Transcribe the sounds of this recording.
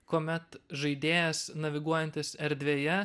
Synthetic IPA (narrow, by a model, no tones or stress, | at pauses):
koːmʲɛt̪ʒɐɪd̪ʲeːjɛsnɐʋʲɪɡuɔjɛnʲt̪ʲɪsɛɾʲd̪ʲʋʲeːjɛ